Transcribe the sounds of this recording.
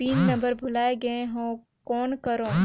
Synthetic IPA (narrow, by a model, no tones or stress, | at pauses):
iːnːɐ̃mbəɾbʱʊlaːeɡɐeɦõː | kɔːnkɐɾõː